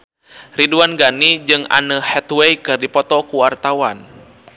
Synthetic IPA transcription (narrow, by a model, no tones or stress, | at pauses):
riduanɡanid͡ʒɨŋa̰nəhɛt̪wɛikɨrdipɔt̪ɔkuwart̪awan